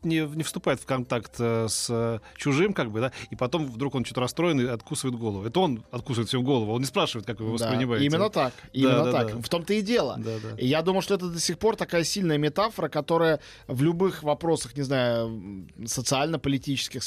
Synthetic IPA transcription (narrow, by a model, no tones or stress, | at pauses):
nʲɪnʲɪfst̪ʊpaɪt̪fkɐnt̪akt̪əsət͡ɕʊʐɨmkaɡ̚bɨd̪aipɐt̪o̞mvd̪ɾukont͡ɕot̪əɾɐst̪ɾo̞ɪnɨɐt̪̚kusəvəɪt̪ɡo̞lˠəvʊɛt̪əo̞nɐt̪̚kusvəɪt̪sʲɪuɡo̞lˠəvʊɐo̞nnʲɪspɾaʂɨvəɪt̪̚kakvɨvɨvəsd̪sapɾʲɪnʲɪmaɪimʲɪnnːət̪akimʲɪnːət̪akft̪o̞mt̪əɪdʲelˠə̰d̪ad̪ajad̪uməjʊʂt̪oɛt̪əd̪əsʲɪxpo̞rt̪ɐkajəsʲilʲnəjəmʲɪt̪afəɾəkɐt̪o̞ɾəjə | vlʲʊbɨxvɐpɾo̞səxnʲɪznajʊ | sət̪sɨalʲnəpəlʲɪtʲit͡ɕɪ̥skʲɪx